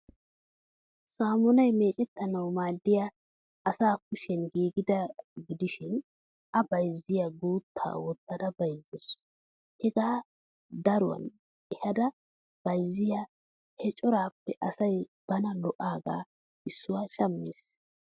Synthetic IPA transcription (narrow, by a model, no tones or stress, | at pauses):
saːmɔnɐjmeːt͡ʃʼɛt̪ːɐnɐwmaːd̪ːɪja | ʔɐsaːk̚ʊʃɛnɡiːɡɪd̪ɐɡɪd̪ɪʃɪn | ʔɐbɐjzːɪjaɡuːt̪ʰːa̰ːwɔt̪ːɐd̪ɐbɐjzːɔs | hɛɡaː | d̪ɐɾʊwɐ̰n | ɛhɐd̪ɐ | b̥ɐjzːɪja | hɛt͡ʃʼɔɾaːpːɛʔɐsɐjb̥ɐnɐlɔʔaːɡa̰ː | ʔɪsːʊwaːʃɐmːiːs